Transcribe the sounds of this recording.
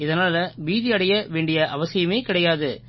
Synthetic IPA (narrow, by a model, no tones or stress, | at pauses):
ɪðɐnaːlɐʋiːðɪɐɽɐjɐʋeːɳɖɪjɐʔɐʋɐsɪjɐmeːkɪɽɐjaːðɯ